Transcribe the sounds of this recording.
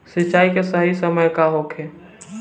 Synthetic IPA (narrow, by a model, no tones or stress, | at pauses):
sit͡ʃːaːikesəɦisəməjkaɦokʰe